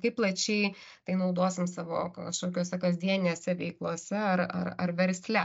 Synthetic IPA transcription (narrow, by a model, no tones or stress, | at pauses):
kɐɪplˠɐt͡ʃʲɛɪ | t̪ɐɪnɐʊd̪oːsʲɪmsɑːʋo̰ːkɐʃkoːkʲoːsʲɛkɐːzʲd̪ʲiɛnʲɪnʲeːsʲɛʋʲɛɪklˠuɔsʲɛɐɾɐ̰rɐrʋʲɛɾʲsʲlʲɛ